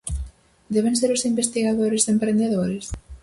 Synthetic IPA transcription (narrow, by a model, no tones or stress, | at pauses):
d̪ɛβ̞ẽŋseɾʊsimbest̪iɣaðoɾɪzempɾend̪eðoɾɪs